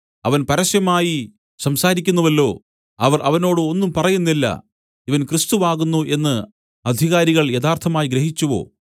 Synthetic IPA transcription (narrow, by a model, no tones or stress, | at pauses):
ɐʋɐnpɐɾɐɕjɐmaːji | sɐmsaːɾikʲːunːɐʋɐlːo̞ː | ɐʋɐrʔɐʋɐno̞ːɽɨo̞nːumpɐrɐjunːilːɐ̰ | iʋɐnkrɨst̪uʋaːɣunːuʔe̞nːɨ | ɐd̪ʱiɣaːɾiɣɐɭjeðaːrt̪ʰɐmaːjiɡɾeɦit͡ɕːuʋo̞̰ː